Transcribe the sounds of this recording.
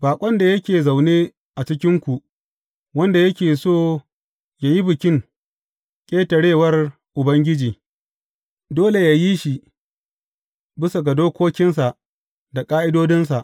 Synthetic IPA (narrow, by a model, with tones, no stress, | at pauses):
baː˨kʷʼɐ˦nda˨jɐ˦kʲeː˨za˨wneː˦ | ʔa˨t͡ʃɪ˦kʲɪ˦ŋkʷu˨ʔ | wɐ˦nda˨jɐ˦kʲeː˨soː˦˨ | jaː˨ji˦bɪ˨kʲɪ˦ŋ | kʲʼeː˦tɐ˨ɽeː˦˨wɐ˦r | ʔʊ˨bɐ˦ŋɡʲɪ˦d͡ʒiː˨ | doː˦le˨ja˨ji˦ʃi˨ | bɪ˦sa˨ɡa˨doː˦kʷoː˦kʲɪ˦nsa˨ʔ | da˨kʼaː˦ʔɪ˦doː˦dɪ˦ns̬a˨ʔ